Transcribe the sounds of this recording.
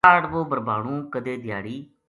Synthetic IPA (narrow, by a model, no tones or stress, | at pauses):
aːɽʋoːbəɾbaːɽ̃ũːkəd̪eːd̪ɪja̰ːɽiː